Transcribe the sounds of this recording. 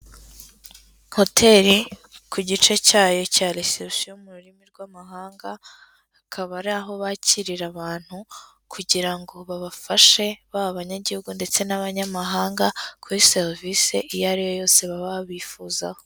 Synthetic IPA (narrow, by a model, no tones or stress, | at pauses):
ho̞tʰe̞ɾikʰuɟit͡ʃe̞caːjo̞caːleseʃijomuɾuɾimiɾɡwamaɦaːŋɡaː | kʰaβaɾaɦo̞βaciɾiɾaβaːn̥hu | kʰuɟiɾaŋɡo̞βaβafaʃe̞βaβaβaɲaɟihuɡunde̞t͡se̞naβaɲamaɦaːŋɡakʰuɾiseɾiviseʔijaɾijo̞jo̞ːse̞βaβaβiːfuzaho̞